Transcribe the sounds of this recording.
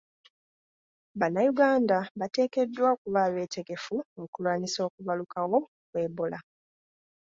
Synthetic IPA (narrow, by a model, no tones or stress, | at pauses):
βanːajuɡaːndaβate̞ːke̞dːwakuβaːβe̞ːte̞ɡe̞fuokulwaːniso̞ːkuβalukawo̞ | kwe̞ːbola